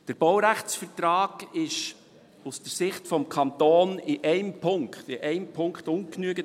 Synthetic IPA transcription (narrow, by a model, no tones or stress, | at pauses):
d̥əɾb̥ɔwɾæχt͡sfəɾtrɑːɡɪʃ | usd̥əɾsɪχtfɔmkʰɑntoːnɪʔɛɪmpʰʊŋkχtɪʔɛɪmpʰʊŋktʊŋknyəɡə